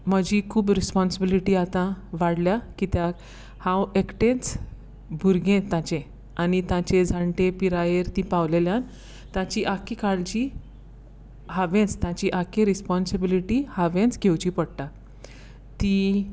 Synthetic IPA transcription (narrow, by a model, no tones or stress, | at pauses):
məd͡ʑikʰuːbɾispɔnsəbiliʈiːat̪ãʋaɽljakit̪ja | hãwekʈẽt͡s | bʱuɾɡẽt̪ãt͡ɕẽ | anit̪ãt͡ɕed͡zʱaɳʈẽpiɾajeɾt̪ĩpawleljãn | t̪ãt͡ɕiʔakikaɭt͡ɕi | haʋẽt͡st̪jãt͡ɕiʔakeɾispɔnsəbiliʈihaʋẽnt͡sɡʱewt͡ɕipəɽt̪a | t̪i